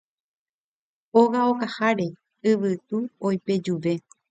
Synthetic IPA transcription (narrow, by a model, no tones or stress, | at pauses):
oɣaokahaɾe̞ | ɨʋɨt̪uojpe̞d͡ʒuʋe̞